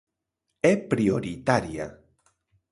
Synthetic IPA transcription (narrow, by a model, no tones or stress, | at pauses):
epɾioɾit̪aɾja̰